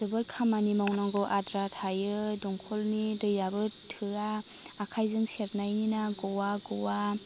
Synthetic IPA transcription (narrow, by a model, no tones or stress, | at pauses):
dɯbɯɾkʰamanimawnaŋɡɔʔadɾatʰajɯdɔŋkʰɔlnidɯjabɯtʰɯɾaː | kʰajzɯŋseɾnajninaɡɔwaɡɔwa